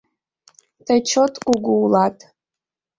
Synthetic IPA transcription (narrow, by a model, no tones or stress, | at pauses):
tʰat͡ʃʰotʼkʷʼuɡʷuwlatʼ